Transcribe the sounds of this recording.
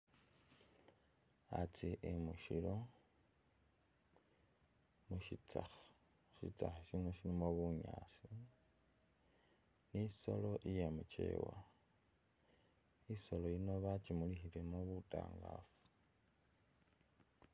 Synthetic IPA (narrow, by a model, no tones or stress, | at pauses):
at͡siʔemuʃilo̞ | muʃit͡sa̰xḁ | ʃḭt͡saxaʃino̞ʃilimoβuɲaːsi | niso̰lo̞ʔijemut͡ʃe̞̰ːwa | iso̞lojinoβat͡ʃimulixilemoβuta̰ːŋɡa̰ːfu̥